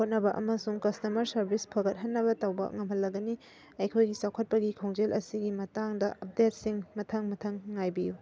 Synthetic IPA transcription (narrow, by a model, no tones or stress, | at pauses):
hot̚nɐbɐʔɐmɐsuŋkɐstɐmɐɾsɐɾbʱispʰɐɡɐt̚ɦɐnːɐbɐtɐwbɐ̰ŋɐmɦɐlːɐɡɐni | ɐjkʰojɡisawkʰɐt̚pɐɡikʰowŋd͡ʒelʔɐsiɡimɐtaŋdɐʔɐp̚det̚siŋmɐtʰaŋmɐtʰaŋːajbiju